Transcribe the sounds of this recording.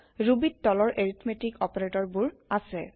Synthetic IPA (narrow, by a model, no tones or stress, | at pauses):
ɹubittːɔlɔɹʔeɹitʰmetikɔpaɹetɔɹbuɹasɛ